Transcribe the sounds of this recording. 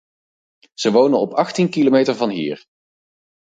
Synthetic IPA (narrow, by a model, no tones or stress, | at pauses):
z̥əʋownənɔpɑχtinkilomejtəɹvɑnɦḭːɹ